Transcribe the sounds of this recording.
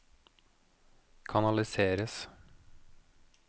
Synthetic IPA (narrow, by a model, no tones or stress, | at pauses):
kʰɑnɑlɪseːɾəs